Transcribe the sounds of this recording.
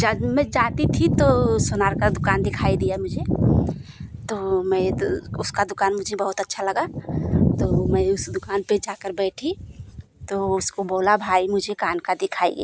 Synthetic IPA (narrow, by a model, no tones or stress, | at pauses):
d͡ʒəmẽd͡ʒaːt̪it̪ʰit̪osʊnaːɾkad̪ʊkaːnd̪ɪkʰaːid̪ijamʊd͡ʒʱe | t̪omɛ̃ʊskad̪ʊkaːnmʊd͡ʒʱebəɦʊt̪ətːʃʰaləɡat̪omɛ̃ʊsd̪ʊkaːnped͡ʒaːkəɾbɛːʈʰi | t̪oʊskoboːlabʱaːimʊd͡ʒʱekaːnkad̪ɪkʰaːḭɡ̰